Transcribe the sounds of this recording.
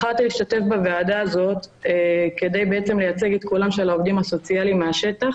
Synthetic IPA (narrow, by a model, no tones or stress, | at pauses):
χalt̪iliʃt̪at̪e̞fbevead̪aːzo̞t̪ | ke̞d̪ejbeet͡semlejat͡se̞ɡet̪kulamʃealaovd̪imaso̞t͡sialimeaʃe̞t̪aχ